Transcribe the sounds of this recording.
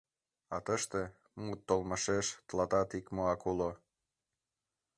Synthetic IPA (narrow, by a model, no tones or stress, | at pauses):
ɑt̪əʃt̪e | mut̪ːolməʃeʃt̪əlɑt̪ɑt̪ikmoɑkulo